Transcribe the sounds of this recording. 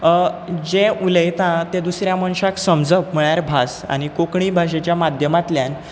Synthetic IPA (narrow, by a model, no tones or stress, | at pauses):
d͡ʑeuləjt̪ãt̪ẽd̪usɾjaməɳɕaksəmd͡zəʋm̤əɭjaɾbʱasa̰ñikokɳiːbʱaɕ̬et͡ɕjamad̪ʱjəmat̪ljan